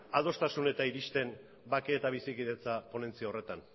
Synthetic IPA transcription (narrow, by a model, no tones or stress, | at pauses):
að̞o̞st̪asune̞t̪aiɾist̪e̞n | bakeːt̪aβisikiðe̞t͡sapo̞ne̞nt͡siao̞re̞t̪an